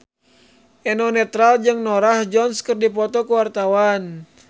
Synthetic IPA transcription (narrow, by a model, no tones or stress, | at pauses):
ʔɛnɔnɛt̪ɾald͡ʒɨŋnɔɾahd͡ʒɔnskɨrdipɔt̪ɔkuwart̪awan